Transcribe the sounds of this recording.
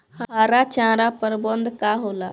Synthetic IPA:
hɦaɾat͡ʃãɾapəɾbənd̪ʱkaɦola

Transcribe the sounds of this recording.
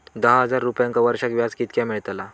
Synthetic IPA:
d̪əɦɦəd͡zaɾːupjãŋkaʋəɾʂakʋjad͡zkit̪̚kjamiɭt̪la

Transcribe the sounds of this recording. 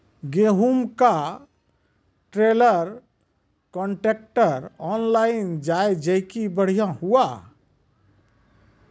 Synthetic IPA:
ɡeɦumka | ʈɾeləɾ | kɔɳʈek̚ʈəɾɔnlaind͡ʒajd͡ʒəjkibəɽ̤ijãhua

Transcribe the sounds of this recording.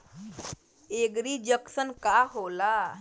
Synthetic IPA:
eɡɾiːd͡ʑəksənkaɦola

